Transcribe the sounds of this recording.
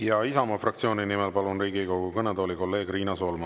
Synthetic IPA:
jɑisɑmɑfrɑkt̪sio̞ːnʲinimelpɑlunriːɡikowɡukɤned̪oːliko̞lːe̞ːɡriːnɑsoːlmɑ

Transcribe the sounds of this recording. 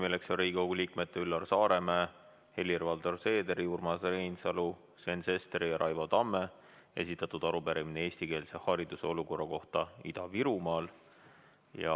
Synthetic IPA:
mileksonriːɡowɡ̥uliːkme̞t̪ːeylːɑrsɑːɾe̞mæː | he̞lʲːirvɑld̪o̞rse̞ːd̪eɾiurmɑsrejnsɑlu | sve̞nse̞st̪eɾijɑɾʔɑjvod̪ɑmːe̞ | e̞̰sʲit̪ːˑɑt̪ːˑud̪̥ɑɾupæɾiminee̞ːsʲt̪ike̞ːlse̞hɑɾid̪̥useo̞luko̞rːɑko̞ht̪ɑḭd̪̥ɑviɾumɑːl | jɑ̰

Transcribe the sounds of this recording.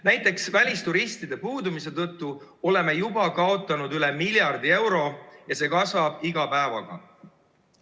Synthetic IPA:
næjt̪ːˑe̞ksvælʲist̪uɾist̪id̪e̞puːd̪umis̬e̞t̪ɤt̪ˑːuo̞le̞me̞jubɑkɑo̞t̪ˑːɑnud̪yle̞milʲjɑrd̪ie̞wɾo̞jɑse̞ːkɑsvɑb̥iɡɑpæevɑ̰ɡ̥ɑ̰

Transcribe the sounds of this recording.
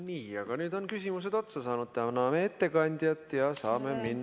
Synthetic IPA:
niːɑɡ̥ɑnyːd̪o̞nkysʲimuse̞d̪o̞t̪sɑsɑːnud̪̥t̪ænɑmee̞t̪ːe̞kɑnʲd̪̥jɑt̪ːˑjɑsɑːme̞minː

